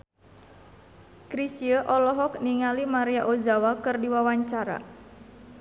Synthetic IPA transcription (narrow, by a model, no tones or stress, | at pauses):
kɾisiəʔɔlɔɦɔk̚niŋalimaɾiaʔozawakɨrdiwawaɲt͡ʃaɾa̰